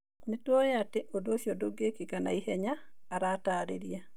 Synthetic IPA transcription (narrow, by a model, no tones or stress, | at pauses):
nitwojateʔodosjodoɡekikana̰ihɛɲaː | ɾataɾḛɾja